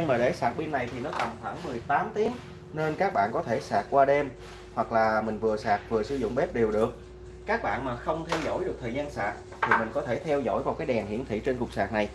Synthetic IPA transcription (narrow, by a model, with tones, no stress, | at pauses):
nmaː˨˩ɗe˧˩sa̰ː˧˨˩t̚ɓi˧ənːa˨˩jt̪ʰi˨˩nɔ˨˦kɔ˨˩nxwaː˧˩ŋmɨ˨˩əjt̪aː˨˦mt̪i˨˦əŋ | ne˧nkaː˦˥k̚ɓa̰ː˧˨nkɔ˨˦t̪ʰe˧˩saː˨˩t̚kwaː˧ɗɛ˧m | hwa˨˩k̚laː˨˩mï˨˩ŋ̟vɨ˨˩əsaː˨˩k̚vɨ˨˩əsɨ˨˧˦zʊ̰˧˨ŋ͡mɓɛ˦˥p̚ɗi˨˩əwɗɨ˨˩ək̚ | kaː˦˥k̚ɓa̰ː˧˨nmaː˨˩xə˧wŋ͡mt̪ʰɛ˧wzo̰˧˥jɗɨ˨˩ək̚t̪ʰəː˨˩jzaː˧nsa̰ː˨˩t̚ | t̪ʰi˨˩mï˨˩ŋ̟kɔ˨˦t̪ʰe˧˩t̪ʰɛ˧wzo̰˧˥jva˨wkaː˨˦jɗɛ˨˩nhḭ˧˨ənt̪ʰḭ˧˨t͡ɕe˧nkʊ˨˩k͡p̚saː˨˩t̚na˨˩j